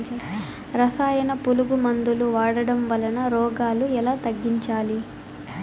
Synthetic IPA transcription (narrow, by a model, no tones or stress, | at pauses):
ɾɐsaːjɐnɐpuluɡumɐnd̪uluʋaːɽɐɽɐmʋɐlɐnɐɾɔːɡaːluɛlaːt̪ɐɡːiɲt͡ʃaːli